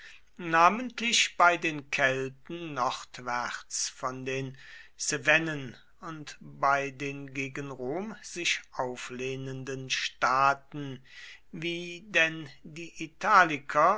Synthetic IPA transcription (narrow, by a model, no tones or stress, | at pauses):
naːməntʰlɪʃb̥aɪdeːnkʰɛltn̩ːɔʁtv̥ɛt͡sfɔndeːnsevɛnən | ʊntb̥aɪdeːnɡeːɡənʁoːmz̥ɪʃʔaʊfleːnəndənʃtaːtn̩viːdɛndiːʔitʰaːlɪkʰɐ